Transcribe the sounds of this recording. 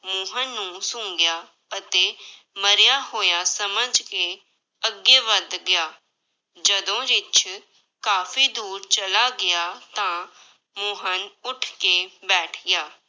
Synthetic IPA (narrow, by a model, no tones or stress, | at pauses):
mʊɦənːũːsʊ̃ːŋɡɪjaː | ət̪eː | məɾjaːhoːjaːsəməd͡ʒke | əɡeːʋəd̪ɡɪjaː | d͡ʒəd̪õːɾɪt͡ʃ | kaːfʰiːd̪uːɾt͡ʃəlaːɡɪjaːt̪ãː | mʊːɦənʊʈʰkeːbɛːʈʰɡjaː